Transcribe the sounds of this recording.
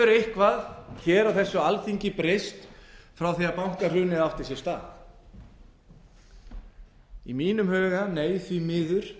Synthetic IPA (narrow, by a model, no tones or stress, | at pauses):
ʏɾejhkvaðçɛːɾawθɛsːʏalθiɲcɪpɾest̪fɾawθiapawŋ̥kar̥ʏːnɪðaft̪ɪɾ̥sjɛ̥st̪a̰ːɣ | ḭmiːnʏmhœːɣaneːjθvimɪːðʏɾ̥